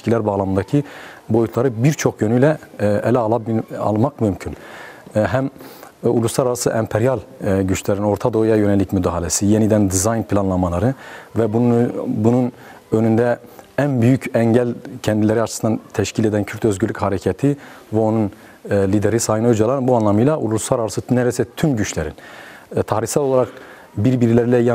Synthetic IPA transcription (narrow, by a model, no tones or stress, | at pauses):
cʰilʲæɾbaːlˠamɯnd̪acʰibo̞jut̪ʰlˠaɾɯbiɾt͡ʃʰo̞kjønyjlʲɛɛlʲɛlˠaɑ̰lˠmakmymcʰyn | ɦæmṵlˠuslˠaɾaɾasɯʔɛmpʰeɾijalˠɟyt͡ʃlʲɛɾino̞ɾt̪ʰad̪o̞ujajø̞nɛlʲːicmyd̪aɦalʲɛsijenid̪ænd̪izajnpʰilʲˠanlˠamalˠaɾɯvɛ | bunun | ønynd̪ɛænbyjycɛɲɟælʲcʰɛnd̪ilʲeɾiat͡ʃʰɯ̥sɯnd̪ant̪ʰɛʃcʰiled̪æncʰyɾt̪ø̞zɟylʲːychaɾɛcʰat̪ʰi | vɛo̞nun | lʲid̪eɾisaːhɯnød͡ʒalˠaɾnbuanlˠamɯjlˠaulˠuslˠaɾaɾasɯnɛɾɛsɛt̪ʰymɟyt͡ʃlʲeɾḭnt̪ʰahɾiçsælʲˠolˠaɾak | biɾbiɾilʲeɾilʲɛj